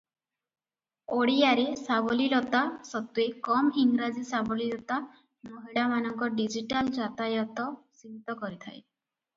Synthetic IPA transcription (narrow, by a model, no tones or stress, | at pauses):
oɽijaɾesaβɔlilɔt̪asɔt̪uekɔmiŋɾad͡ʒisabɔlilɔt̪a | mɔɦiɽamanɔŋkɔɖid͡ʒiʈald͡ʒat̪ajɔt̪ɔsibit̪ɔkɔɾit̪ʰa̰j